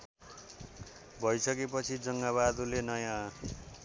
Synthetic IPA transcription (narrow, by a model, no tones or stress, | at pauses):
bʱʌjsʌkepʌt͡sʰid͡zʌŋɡaβad̪ulenʌjã